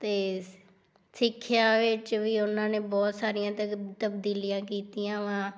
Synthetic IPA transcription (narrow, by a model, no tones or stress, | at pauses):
t̪eː | sɪkʰːɪjaːʋɪt͡ʃʋiːʊnãːneːbɔːt̪saːɾɪjãːt̪ət̪əb̚d̪iːlijãːkiːt̪iːãːʋãː